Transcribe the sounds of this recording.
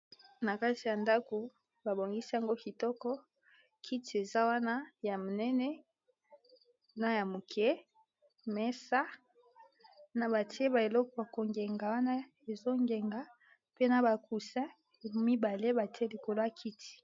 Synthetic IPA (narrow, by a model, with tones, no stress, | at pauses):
na˨ka˦ti˨ja˨nda˦ko˨ | ba˨bo˨ŋɡi˦si˦ja˨ŋɡo˦ki˨tɔ˦kɔ˦ | kʰi˦ti˨e˨za˦wa˦na˦ja˨mo˨nɛ˦nɛ˦ | na˦ja˨mo˨kʰɛ˦ | mɛ˦sa˦ | na˨ba˨ti˦e˦ba˨e˨lɔ˦kɔ˨ba˨ko˨ŋɡe˨ŋɡa˨wa˦na˦ | e˨zo˦ŋɡe˨ŋɡa˨ | pe˦na˨ba˨ku˨sɛ̃˦˨ | mi˦ba˨le˦ba˨ti˦e˦li˨ko˨lo˦a˨kʰi˦ti̥˨